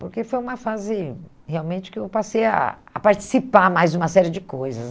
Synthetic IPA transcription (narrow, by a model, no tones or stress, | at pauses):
poɾkefojũmɐfazɪ | heawmẽnt͡ʃɪ̥kɪewpaseja̰ːpaɾt͡ʃi̥sipaɾmajzd͡ʒũmɐsɛɾɪd͡ʒɪkojzɐs